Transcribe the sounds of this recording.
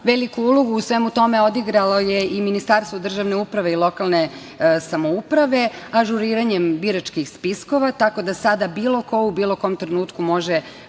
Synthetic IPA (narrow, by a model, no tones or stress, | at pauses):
ʋelikuulˠoɡuːsʋemut̪o̞me̞o̞d̪iɡɾalo̞jeiminist̪aɾst̪ʋod̪r̩ʒaʋne̞upɾaʋe̞ilˠo̞kalˠne | samo̞upɾaʋe̞aʒuɾiːɾaɲembiɾat͡ʃkixspisko̞ʋat̪ako̞d̪asad̪abiːlˠo̞ko̞ubiːlˠo̞ko̞ːmt̪ɾenuːt̪kumo̞ʒe